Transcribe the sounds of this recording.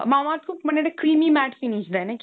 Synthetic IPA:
maːmaːt̪komɐneɽekɾiːmimæːʈfiniʃd̪ɛnɛk

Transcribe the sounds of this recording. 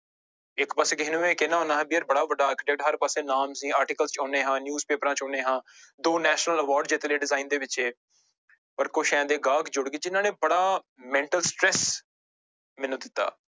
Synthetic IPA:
ɪkpaseːkɪɦɪnũːẽːkenaːɦõːnaːɦɛ̃ːbiːəɾbəɽaːʋəɖaːəkɪʈɛːk̚ʈɦəɾpəsẽːnaːmsĩːaːɾʈɪːkəlst͡ʃɔ̃ːneːɦãːnjuːzpeːpɾãːt͡ʃɔ̃ːnẽːɦãːd̪oːnɛːʃnələʋɔːɾɖd͡ʒeːt̪eːleːɖɪzaːiːnd̪eːʋɪt͡ʃeː | pəɾkʊʃɛ̃ːd̪eːɡaːɡd͡ʒʊɽɡeːd͡ʒɪnãːnẽːbəɽaː | mɛ̃ːɳʈəlsʈɾɛːs | mɪnũːd̪ɪt̪ːa̰ː

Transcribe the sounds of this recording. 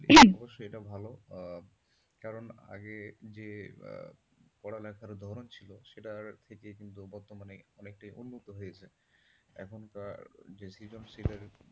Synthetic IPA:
ɔboʃːoeʈabʱalo | kaɾona̰ɡed͡ʑḛ | pɔɽalɛkʰaɾd̪ʱɔɾont͡ɕʰiloʃeʈaɾt̪ʰekekint̪ubɔɾt̪omanejɔnek̚ʈajʔunːot̪oɦojet͡ɕʰe | ɛ̰kʰonkaɾd͡ʑesid͡ʑonsileɾ

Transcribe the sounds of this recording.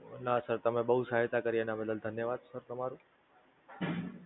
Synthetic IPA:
nasəɾt̪əmẽɓəɦusaɦɪt̪akəɾijenameləld̪ʱənjəʋad̪səɾt̪əmaɾũ

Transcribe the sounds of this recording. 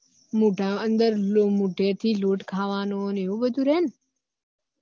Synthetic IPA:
muːʈãːənd̪əɾlomuːʈeːɾt̪ʰiːloːʈkʰaːʋaːnoneobəd̪uɾeːn

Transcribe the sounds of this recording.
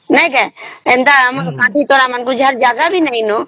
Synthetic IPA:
nə̃ĩkɛẽːnd̪aːəmkãːd̪it̪oːɾamənkud͡ʒəɾd͡ʒaːɡabʱinəĩnoː

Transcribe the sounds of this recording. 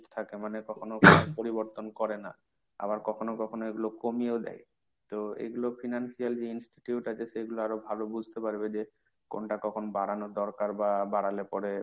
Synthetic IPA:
t̪ʰakemanekɔkʰonokɔpoɾiboɾt̪onkɔɾena̰ | a̰baɾkɔkʰonokɔkʰonoeɡulokomieod̪ɛ̰j | t̪oḛɡulofʰinansiald͡ʑeinsʈi̥ʈiuʈat͡ɕeʃeɡuloaɾobʱalobud͡ʑʱt̪epaɾbed͡ʑe | ko̰nʈakɔkʰonobaɽanod̪ɔɾkaɾbabaɽalepɔɾe

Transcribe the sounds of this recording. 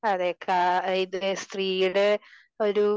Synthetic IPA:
ɐðekʰːaiðst̪riːjuɽe | o̞ɾu

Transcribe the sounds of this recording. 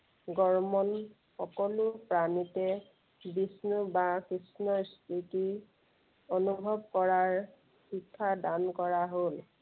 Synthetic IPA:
ɡɔɹmɔn | xɔkɔlʊpɹanitɛ | bisnubakɹisnɔst̪ʰiti | onubʱɔb̚kɔɹaɹ | xikʰːadankɔɹaɦol

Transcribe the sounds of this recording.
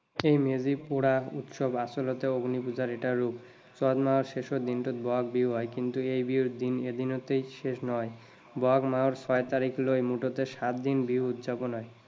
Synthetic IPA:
ejmed͡ʑipuɽaṵt̪ʃobasolot̪eoɡnipud͡ʑaɾeʈaːup̚ | t͡ɕɔd̪maoɾʃeʃod̪inʈot̪̚bɔaɡ̚biuɦɔekint̪uejbid̪ined̪ʱinot̪ejʃeʃnɔe | bɔaɡmaoɾt͡ɕɔet̪aɾiklojmuʈot̪eʃat̪d̪inbiuut̪d͡ʑaponɦɔe

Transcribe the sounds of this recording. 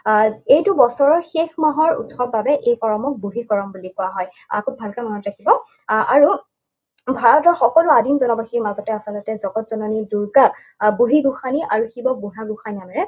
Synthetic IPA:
ejtʊbɔsɔɹɔɹxexmaɦɔɹṵtʰːɔbabɛʔejkɔɹɔmɔk̚buɦikɔɹɔmbulikɔwaɦɔj | a̰kubʱalkamanɔtɹakibɔ | aɹu | bʱaɹɔɔtaxɔkɔluadinzɔnɔbaximazɔtɛasalɔtɛzɔɡɔtz̥ɔnɔniduɹkak̚ | buɦiɡuxaniʔaɹuxibɔk̚buɦaɡʊxaninamɛɹɛ

